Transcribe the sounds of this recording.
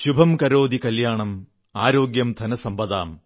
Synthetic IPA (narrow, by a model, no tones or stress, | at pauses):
ɕubʱɐmkɐɾoːd̪ikɐljaːɳɐm | aːɾo̞ːɡjɐmd̪ʱɐnɐsɐmbɐðaːm